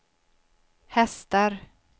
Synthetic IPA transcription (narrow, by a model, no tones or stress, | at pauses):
hɛst̪aɾ